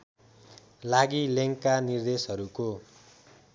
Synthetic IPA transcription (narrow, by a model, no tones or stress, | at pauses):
laɡileŋkːanird̪esɦʌɾuko